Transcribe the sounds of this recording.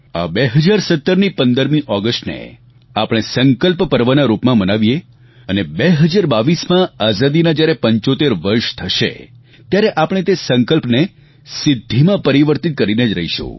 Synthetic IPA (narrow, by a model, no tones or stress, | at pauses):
a̰beɦəd͡ʒaɾsət̪ːəɾnipənd̪əɾmĩʔɔɡəsʈnḛ | apɽ̃esəŋkəlppəɾʋənaɾupmãmənaʋije | ənebeɦəd͡ʒaɾbaʋismãazad̪inad͡ʒjaɾepəɲt͡ʃot̪eɾʋəɾʃt̪ʰəʃḛ | t̪jaɾeʔapəɽ̃et̪esəŋkəlpne | sɪd̪ʱːimãpəɾiʋəɾt̪it̪̚kəɾined͡ʒɾə̰ɦiʃṵ̃